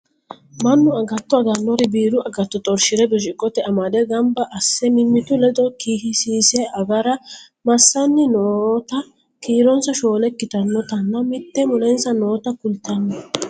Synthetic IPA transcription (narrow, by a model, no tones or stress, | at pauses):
mɐnːʊɐɡɐt̪ːɔɐd̪ɐnːɔɾɪbiːɾʊɐɡɐt̪ːɔt̪ʼɔɾʃɪɾɛbɪɾɪkʼːɔt̪ɛɐmɐd̪ɛɡɐmbɐʔɐsːɛmɪmːɪt̪ʊlɛd̪ɔkiːhɪsiːsɛɐɡɐɾɐ | mɐsːɐnːɪnoːt̪ɐ | kiːɾɔnsɐʃo̞ːlɛkːɪt̪ɐnːɔt̪ɐnːɐmɪt̪ːɛmɔlɛnsɐno̞ːt̪ɐkʊlt̪ːɐnːɐ